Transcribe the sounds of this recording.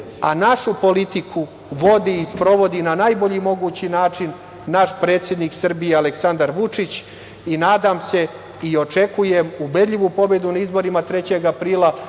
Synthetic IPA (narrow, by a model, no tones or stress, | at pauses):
anaʃupo̞lit̪ikʰu | ʋo̞d̪iːspɾo̞ʋo̞d̪inanajbo̞ʎimo̞ɡuːt͡ɕinaːt͡ʂinː | aʃpɾe̞ːt̪sjed̪niksr̩bijealeksand̪aɾʋut͡ʂit͡ɕ | inaːd̪amse̞ | io̞t͡ʃe̞kujemube̞d̪ʎʲiʋupo̞be̞d̪unaizbo̞ɾimat̪ɾe̞t͡ɕe̞ɡapɾiːlˠa